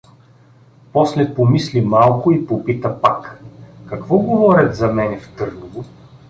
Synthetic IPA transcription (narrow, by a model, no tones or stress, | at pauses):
pɔslɛpomislimalˠkʊipopit̪əpakkɐkvɔɡovɔɾʲɐt̪zɐmɛnɛft̪ɤɾnovʊ